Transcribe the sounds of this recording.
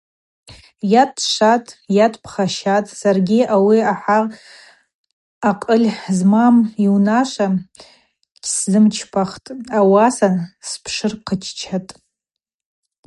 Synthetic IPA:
jatʰʂatʼjatʰʼpʰχaʃatʼsarɡʲiawiaħa | qʼəlʲzmamiwnaʂʷa | kʲʰszɨmt͡ʃʰpʰaχtʼawasanspʰʂɨrqʰət͡ʃʰt͡ʃʰatʼ

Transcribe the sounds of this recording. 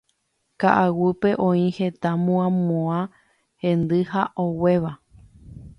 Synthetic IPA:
kaʔawɨpe̞ʔõĩhe̞t̪amõãmõã | hẽnd̪ɨhaʔowe̞ʋa

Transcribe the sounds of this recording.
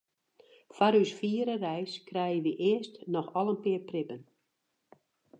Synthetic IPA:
faɾysfiːəɾərɛjskrɛjəʋiʔɪəstnɔxɔlˠənpɪːrprɪpən

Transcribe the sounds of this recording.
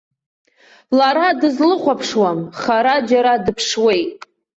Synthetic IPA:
laɾadɨzlɨχʷapʰʂwamχaɾad͡ʒaɾadɨpʰʂwe̞jtʼ

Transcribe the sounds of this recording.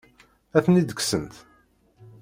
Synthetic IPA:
æθənid̪əksənt̪

